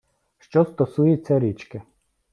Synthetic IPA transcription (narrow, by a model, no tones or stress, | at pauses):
ʃt͡ʃɔst̪ɔsujet͡sʲːɐɾʲit͡ʃkɪ